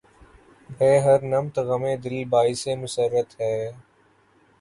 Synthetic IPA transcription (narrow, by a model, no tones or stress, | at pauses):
bʱeːɦəɾnəmt̪ɣəmẽːd̪ɪliːbaːɪseːmʊsəɾːət̪ɦɛː